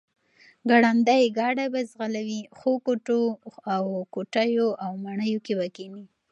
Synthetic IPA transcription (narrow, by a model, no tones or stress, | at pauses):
ɡaɽand̪ajɡɑɽabazɣalawixokoʈoawkoʈajoʔawmaɳəjokebakeni